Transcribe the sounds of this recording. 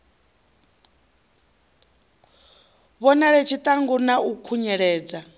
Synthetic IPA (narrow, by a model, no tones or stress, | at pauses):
βɔnaɺɛt͡ʃʰit̪ʼaŋɡunaukʰuɲɛɺɛːd͡za